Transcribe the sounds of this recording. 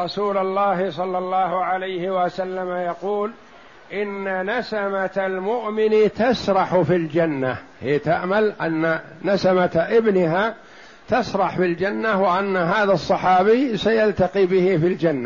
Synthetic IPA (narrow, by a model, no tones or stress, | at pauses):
ɾˤɑsuːlalˤːɑːɦɪsˤɑlːɑlˤːɑːɦʊʕalajhɪwasalːamajɑquːl | ʔɪnːanasamat̪almʊʔmɪnt̪asɾˤɑħfild͡ʒanːahiːt̪aʔmalʔa̰nːanasamat̪ʔɪbnɪɦa | t̪asɾˤɑħfɪld͡ʒanːawɪʔanːaɦaːðasˤːɑħɑːbisajalt̪ɑqiːbɪhɪfild͡ʒanːa